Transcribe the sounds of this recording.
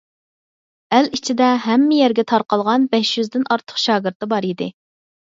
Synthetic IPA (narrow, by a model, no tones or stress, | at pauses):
ælit͡ʃʰid̪ɛɦɛmːɪjɛɾɡʲɛt̪ʰɑɾqɑlˠʁɑnbɛʃjyzd̪ɪnɑɾt̪ʰə̥χʃɑːɡɪɾt̪ːɨbɑɾid̪ɪ̰